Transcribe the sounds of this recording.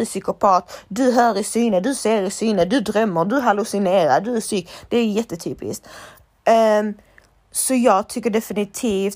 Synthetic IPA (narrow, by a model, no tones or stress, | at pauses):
ɵsʏkʊpʰɑːt̪d̪ɵɦœːɾɪsyːnəd̪ɵseːɾɪsyːnəd̪ɵd̪ɾœmːəd̪ɵɦalʊsɪneːɾa̰d̪ɵæsyːkd̪̥ɛæjɛt̪ːət̪ʰyːpɪ̰st̪ | sɔjɑːɡ̚t̪ʰʏkːəɖɛfɪnɪt̪ʰiːft̪